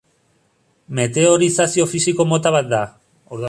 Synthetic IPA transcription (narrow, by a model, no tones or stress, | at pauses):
me̞t̪e̞o̞ɾisasio̞fisiko̞mo̞t̪aβat̪̚d̪a | oɾ